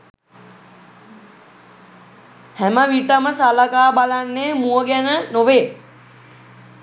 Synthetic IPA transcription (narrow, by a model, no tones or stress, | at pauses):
hæməʋiʈəməsaləkaːbalanːeːmuəɡɛnənoʋeː